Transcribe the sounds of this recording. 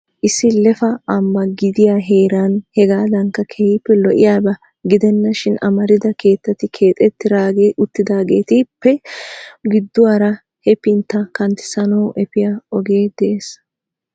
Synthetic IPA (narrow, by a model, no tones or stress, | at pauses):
ʔɪsːɪlɛfɐɐmbɐɡɪd̪ɪjaːɦeːɾanhɛɡaːd̪ɐŋkːɐkʰɛhɪpːɛlɔʔɪ̰jaːbɐ | ɡɪd̪ɛnːɐʃɪnɐmɐɾɪd̪ɐke̞ːt̪ːɐt̪ɪkʰe̞ːt̪ʼɛt̪ːɪɾaːɡeːʔʊt̪ːɪd̪aːɡe̞ːt̪ɪpːɛ | ɡɪd̪ːʊwaːɾɐ | hɛpɪnt̪ːɐkɐnt̪ɪ̥sɐnɔwʔɛpɪjaɔɡe̞ːd̪ɛʔeːs